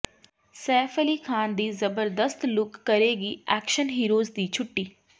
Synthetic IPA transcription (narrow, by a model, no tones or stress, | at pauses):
sɛːfʰəliːkʰaːnd̪iːzəbəɾd̪əst̪lʊkːəɾeːɡiːɛːkʃənɦiːɾoːzd̪iːt͡ʃʰʊʈːiː